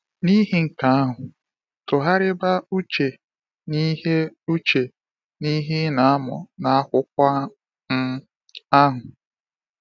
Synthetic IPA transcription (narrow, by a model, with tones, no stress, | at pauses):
ni˦ɦi˦ŋ̩˨ka˦a˦ɦʊ˨ | tʊ˨ɦa˦ɾɪ˦ba˦u˦t͡ʃe˨ | ni˦ɦe˦u˦t͡ʃe˨ | ni˦ɦɪ˦na˨a˦mʊ̰˨na˨a˦kʷʊ˦kʷa˦ | n̩˦ | a˦ɦʊ˨